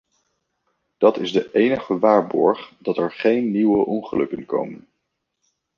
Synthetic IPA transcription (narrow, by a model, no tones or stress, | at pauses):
d̥ɑtɪzdəʔejnəχəʋaːɹbɔɹχdɑtɛɹχejnːiwəʔɔnχəlɵ̰kənko̰wmən